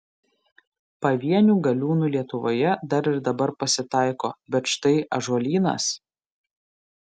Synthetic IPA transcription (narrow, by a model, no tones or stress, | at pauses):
pɐʋʲiɛnʲuːɡɐlʲuːnuːlʲiɛt̪ʊʋo̰ːjɛd̪ɐɾɪɾd̪ɐbɐɾpɐsʲɪt̪ɑˑɪkoːbʲɛt̪ʃt̪ɐɪʔɐʒɔlʲiːnɐ̰s